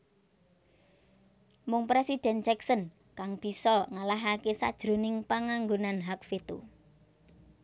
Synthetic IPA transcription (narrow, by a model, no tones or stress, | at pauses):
mʊŋpɾesid̥ɛ̤nt͡ʃɛksən | kaŋb̥i̤sɔŋalaɦakesa̰d̥ʒ̥ɾo̤nɪŋpaŋaŋɡonanɦakfet̪o